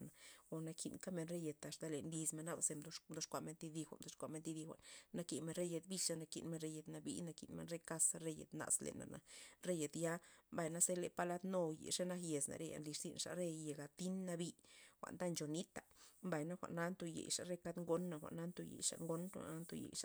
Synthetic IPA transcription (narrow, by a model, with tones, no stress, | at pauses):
na˨o˨na˧kʰi˧nka˦me˧nɾe˦je˨t̪a˨ʂd̪a˧le˨nli˧sme˧nːa˦˧ba˨se˧md̪o˧˦md̪o˦ʂkʷa˧˨me˧nt̪i˧d̪i˧xʷa̰˨ʔmd̪o˧˦ʂkʷa˧˨me˧nt̪i˧d̪i˧xʷa̰˨ʔnːa˧ki˧˨me˧nɾe˦je˧t̪̚bi˧la˧na˧kḭ˧nme˧nɾe˦je˨t̪na˧bḭ˦na˧kḭ˨nmḛ˧nɾe˦ka˧sa˧ɾe˦jḛ˨t̪na̰˨slḛ˨na̰˨na̰˨ɾe˦je˨t̪ja˦mba˧jna˦se˦le˧pa˧la˦t̪no˧jḛ˨ʂe˦na˦kje˨sna̰˨ɾe˦ja̰˨nli˧ʂz̥ḭ˦˧nʂa̰˨ɾe˦je˨ɡa˨t̪i˦nːa˧bi˧xʷa̰˨nd̪a˦˧nt͡ʃo˨ni˦t̪a˨mba˨jna˦xʷa̰˨ʔna˦nt̪o˧˨jḛ˨jʂa˨ɾe˦ka˦d̪ŋɡo˧nːa˧xʷa̰˨ʔna˦nt̪o˧jḛ˨jʂa̰˨ŋɡo˦nxʷa̰˨ʔna˦nt̪o˧jḛ˨jʂa˨